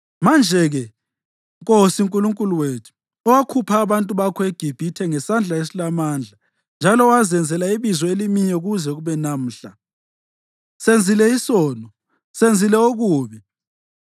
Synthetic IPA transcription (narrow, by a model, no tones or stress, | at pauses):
mand͡ʒʱɛɣɛ | ŋkʼosiŋkʼuluŋkʼuluweːtʰu̥ | ɔwakʰupʰaːβantʼuβakʰɔeɡ̥ʱib̥ʱitʰɛŋɛsand͡ɮʱaesilamaːnd͡ɮʱa | nd͡ʒʱalɔwazɛnd͡zʱɛlaiβizɔelimiɲɛɣuzɛɣuβɛnam̩ːɬa | send͡zʱilɛisɔːnɔ | send͡zʱilɛoɣuːβi